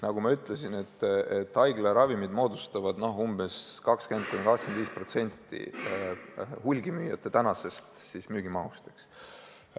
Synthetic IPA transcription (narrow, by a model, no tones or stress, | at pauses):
nɑɡ̥umɑyt̪ːˑlesine̞t̪ːˑet̪ːˑɑjɡ̥lɑɾɑvimid̪mo̞ːd̪ust̪ɑvɑd̪̥no̞ɦumbe̞skɑkske̞nt̪̚kunikɑkskend̪viːspro̞t̪se̞nʲt̪ːˑḭ | hulʲɡimyːjɑt̪ːˑe̞t̪ænɑse̞st̪sismyːɡ̥imɑust̪e̥ks